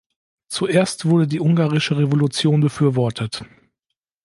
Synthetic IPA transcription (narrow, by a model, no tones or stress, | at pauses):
t͡suʔeːɐstv̥ʊɐdədiːʔʊŋɡaːʁɪʃəʁevolut͡sjoːnbəfyːɐvɔɐtʰət